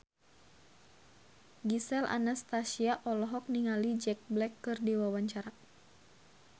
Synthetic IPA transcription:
ɡisɛlʔa̰nast̪asiaʔɔlɔɦɔk̚niŋalid͡ʒɛk̚blɛkːɨrdiwawaɲt͡ʃaɾa

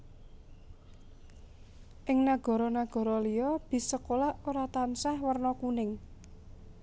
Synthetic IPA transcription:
ʔɪŋnaɡ̥ɔ̤ɾɔnaɡ̥ɔ̤ɾɔlijɔb̥i̤səkolaʔoɾat̪ansahwərnɔkunɪŋ

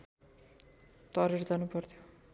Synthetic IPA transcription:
t̪ʌɾerd͡zanupʌrt̪ʰjo

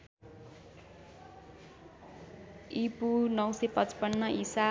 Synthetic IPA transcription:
ipunʌwsʌpʌt͡spʌnːʌʔisa

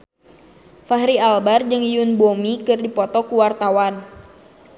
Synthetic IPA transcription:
faɦɾialbard͡ʒɨŋijunbomikɨrdipɔt̪ɔkuwart̪awan

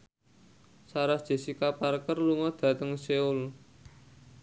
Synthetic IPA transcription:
saɾahd̥ʒ̥e̤sikaparkərluŋɔd̪̥a̤t̪əŋseʊl

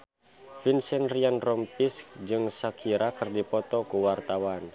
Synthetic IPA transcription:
finsɛnrianrɔmpisk̚d͡ʒɨŋsakʰiɾakərdipɔt̪ɔkuwart̪awan

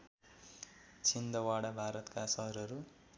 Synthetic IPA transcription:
t͡sʰind̪ʌwaɽabʱaɾʌt̪kasʌɦʌɾʌɾu

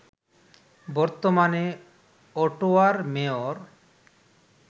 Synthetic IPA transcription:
bɔɾt̪omane | ɔʈoaɾmeoɾ

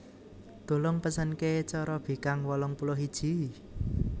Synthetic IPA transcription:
d̪̥o̤lɔŋpəsənket͡ʃɔɾɔb̥i̤kaŋwɔlɔŋpulɔɦid̥ʒ̥i̤

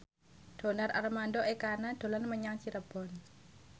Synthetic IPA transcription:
d̥onaɾʔa̰rmandɔʔɛkanad̥o̤lanməɲaŋt͡ʃiɾəb̥ɔn

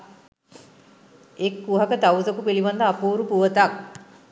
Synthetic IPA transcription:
ekːuɦakət̪awzəkupiliʋand̪əapuːɾupuʋət̪ak̚

